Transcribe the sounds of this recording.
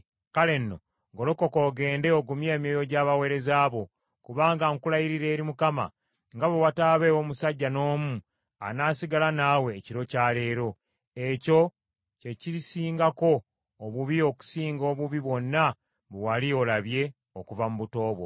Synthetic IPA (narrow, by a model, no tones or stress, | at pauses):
kale̞nːo̞̰ | ŋɡo̞loko̞ko̞ːɡe̞ːnde̞oɡumje̞ːmijojo̞ɟaːβawe̞ɾe̞zaːβo̞ | kuβaːŋɡaŋkulajiɾiɾe̞ːɾimukama̰ | ŋɡaβewataːβe̞ːwomusaɟːano̞ːmu | a̰naːsiɡalanaːwe̞ːciɾo̞caːle̞ːɾo̞ | eco̞ | ce̞ciɾisiːŋɡako̞ː | βuβio̞ku̥siːŋɡo̞ːβuβiβwo̞nːa | βewalio̞laβje̞ | okuvamuβuto̞ːβwo̰